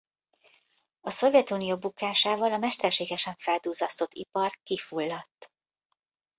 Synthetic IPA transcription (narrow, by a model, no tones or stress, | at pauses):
ɒso̞vjɛt̪unijobukːaːʃaːvɒlɒmɛʃt̪ɛrʃeːɡɛʃɛɱfɛld̪uːzɒst̪o̞t̪ʰːḭpɒrkifulːɒt̪ː